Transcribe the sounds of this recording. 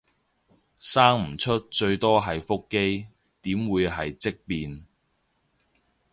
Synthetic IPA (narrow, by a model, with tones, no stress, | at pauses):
saː˥ŋm̩˨˩t͡ʃʰɵ˥t̚t͡ʃɵ˧ɥt̪ɔː˥ɦɐ˨jfʊ˥kːe˥j | t̪iː˨˥mwuː˨˧jɦɐ˨jt͡sɪ˥k̚piː˧n